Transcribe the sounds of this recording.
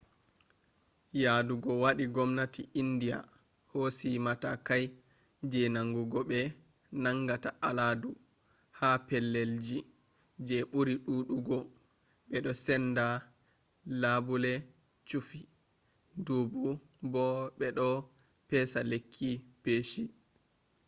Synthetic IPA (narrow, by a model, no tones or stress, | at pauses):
jaduɡɔwaɗiɡɔmnatiindija̰ | hosimatakaj | d͡ʒɛnaŋɡuɡɔɓɛ | naŋɡataʔaladu | hapɛlːeld͡ʒi | d͡ʒɛɓuɾiɗuːɗuɡɔ | ɓɛɗɔsɛnda | labulɛ | t͡ʃufi | dubu | bɔɓɛɗɔ | pɛsalekʰːipeːʃi